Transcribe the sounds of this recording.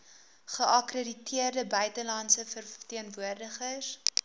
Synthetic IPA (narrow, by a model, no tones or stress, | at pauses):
χəʔɐkrəditiərdəbœɥtəlɐnsəfərtiənvuərdəχəs